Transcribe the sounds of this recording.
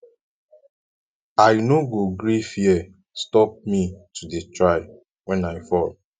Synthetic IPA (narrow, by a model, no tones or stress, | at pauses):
ajnoɡoɡɾifiɛ | stɔp̚mitʰudetɹaɪ | wɛ̃naɪfɔl